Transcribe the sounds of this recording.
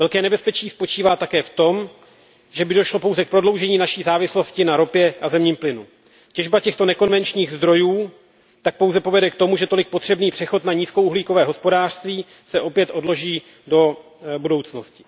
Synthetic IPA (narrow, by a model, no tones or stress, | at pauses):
vɛlkɛːnɛbɛspɛt͡ʃiːspo̞t͡ʃiːvaːt̪akɛːft̪o̞m | ʒɛbɪdo̞ʃlo̞po̞wzɛk̚pɾo̞dlo̞wʒɛɲiːnaʃiːzaːvɪslo̞scɪnaɾo̞pjɛʔazɛmɲiːmplɪnu | cɛʒbacɛxt̪o̞nɛko̞nvɛnt͡ʃɲiːɣzd̪ɾo̞juː | t̪ak̚po̞wzɛpo̞vɛdɛkt̪o̞muʒɛt̪o̞lɪk̚po̞t̪r̝̥ɛbniːpr̝̥ɛxo̞t̪naɲiːskowʔuɦliːko̞vɛːɦo̞spo̞daːr̥st̪viː | sɛʔo̞pjɛt̪ʔo̞dlo̞ʒiː | do̞ | budo̞wt͡sno̞scɪ̥